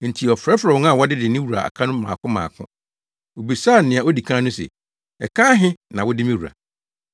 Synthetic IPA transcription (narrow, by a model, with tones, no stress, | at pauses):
n̩˨tʰi˨ɔ˨fɾɛ˦fɾɛ˨wɔ˦n˦a˦˨wɔ˦dɪ˦dɪ˨nɪ̃˦wu˨ɾa̰˨a̰˨kʰã˦nʊ̃˦mã̰ː˨kʰʊ̃˦mã̰ː˨kʰʊ̰̃˦ | o˨bi˨saː˦˨n̩˨nɪ̃˨a˨o˦di˨kʰã˦nʊ̃˦sɛ̰˨ | ɛ̰˨kʰãː˦ɦɪ̃˦nã˨wʊ˦dɪ˦mɪ̃˦wu˨ɾa̰˨